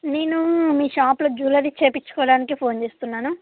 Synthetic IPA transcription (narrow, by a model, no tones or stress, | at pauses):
ne̞ːnumiːʃaːplod͡ʒuːlɐɾit͡ʃeːpit͡ʃːu̥kɔːɽaːnikipʰoːnt͡ʃe̞ːst̪unːaːnu